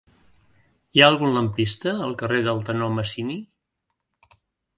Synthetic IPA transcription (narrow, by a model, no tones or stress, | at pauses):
iaəlˠɣunləmpist̪əːlˠkəreðəlˠt̪ənoməsini